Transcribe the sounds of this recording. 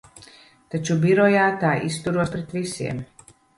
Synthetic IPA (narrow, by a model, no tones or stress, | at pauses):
t̪ɛt͡ʃubiɾɔjaːt̪aːʔist̪uɾuɔspɾɛt̪ʋisiɛ̰m